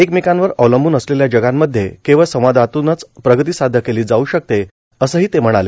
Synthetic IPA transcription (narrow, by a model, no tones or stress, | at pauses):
ekmikãnʋəɾəʋləmbʱuːnəsleljad͡ʑəɡamːəd̪ʱːjekẽʋəɭsəʋʋad̪ʱat̪unət͡spɾəɡət̪iːsad̪ʱəkeliːd͡zauːɕək̚t̪e | əsəːɦiːt̪em̤əɽ̃ale